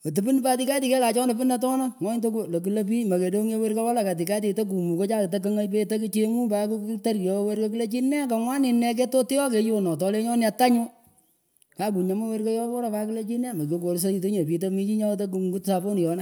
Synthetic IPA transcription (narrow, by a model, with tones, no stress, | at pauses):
o˨tɨ˨bi˦n˦pa˦ti˦ka˦ti˨ke˦la˨t͡ʃɔ˦no˨pɪ˦na˨tɔ˦na˦ŋɔ˦ɲ˦to˦klo˨ki˨le˦p̬i˦mɐ˨ke˨do˦ŋe˦we˦ɾka˦wa˦la˨ka˨t̬i˨ka˦t̬i˨to˦k̬u˨mu˨ko˦t͡ʃa˦ktak̬ɐ˦ŋa˦jpe˦tɐ˦ki˦t͡ʃe˦mu˦paku˦ta˦ɾkjɔ˨we˦ɾko˦ki˦le˦t͡ʃi˦nɛ˦ka˨ŋwa˦ni˨nːɛ˨k̬e˦to˦ti˦jɔ˦ke˨˦jo˦nɔ˨tɔ˨le˦ɲɔ˦na˨ta˦ɲo˦ | ka˦ku˨ɲa˨ma˦we˦ɾko˦jɔ˦kɔ˦ɾa˨pa˦kɪ˦le˦t͡ʃi˦ne˦˨ma˨ko˦ko˨ɾs̬a˦i˨to˦ɲo˨pi˨tomi˦t͡ʃi˦ɲa˦to˦ku˨ɡu˦tsa˨po˦ni˨jɔ˨na˦